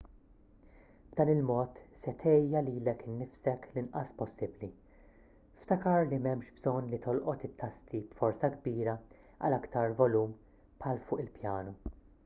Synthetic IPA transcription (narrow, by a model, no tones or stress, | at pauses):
bd̪ɐːnɪlmɔːt̪sɛt̪ʰɛjɐliːlɛkɪnːɪfsɛklɪnʔɐspɔsːɪbli | ft̪ɐkɐɾlimɛmʃbzɔnːlit̪ɔlʔɔt̪ɪt̪ːɐst̪ʰibfɔɾsɐɡbiːɾɐ | ɐ̰lɐkt̪ɐɾvɔluːm | pʰħɐːlfʊːʔɪlpjɐːnu